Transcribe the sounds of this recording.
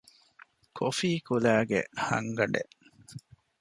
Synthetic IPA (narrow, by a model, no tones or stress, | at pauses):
kʰofiːkulæːɡḛhɐ̰ŋɡɐɖḛʔ